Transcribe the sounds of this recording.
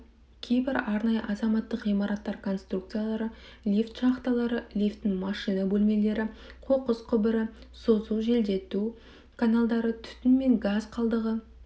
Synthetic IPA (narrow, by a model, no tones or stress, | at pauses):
kʲʰe̞jbɪɾɑɾnɑjəʔɑzɑmɑt̪ːəqʁijmɑɾɑt̪ːɑɾkʰo̞nst̪ruk̚t̪sɨjalˠɑɾəlʲift̪ʃɑχt̪ɑlˠɑɾəlʲift̪ːɪŋmɑʃijnabɵlme̞le̞ɾɪqʰoqəzqʰʏbɪɾɪ | so̞zuwʒe̞ld̪e̞t̪u | kʰanalˠd̪ɑɾət̪ʰʏ̥t̪ɪnme̞ŋɡazqʰɑlˠd̪əʁə